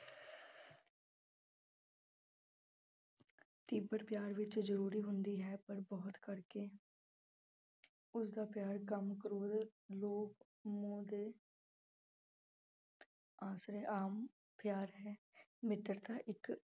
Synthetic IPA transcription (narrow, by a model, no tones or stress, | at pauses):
t̪iːbəɾpjaːɾʋɪt͡ʃzəɾuːɾiːɦʊnd̪iːɦɛːpəɾbɔːt̪kəɾkeː | ʊsd̪aːpjaːɾkəmkəɾoːd̪loːk | mõːd̪eː | aːsɾeːʔaːm | pʰjaːɾɦɛː | mɪt̪ɾt̪aːʔɪk